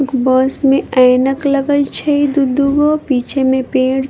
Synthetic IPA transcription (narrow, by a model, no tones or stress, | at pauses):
kbɔːsmẽəːjnəkləɡət͡ʃʰɐid̪ud̪uɡopiːt͡ʃʰemẽpeːɽ